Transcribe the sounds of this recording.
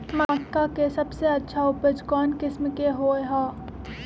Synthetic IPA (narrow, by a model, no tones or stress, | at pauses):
maːkːakesɐbseɐtːʃʰaʊpəd͡ʒkɔːnkɪsmkeɦoːeɦaː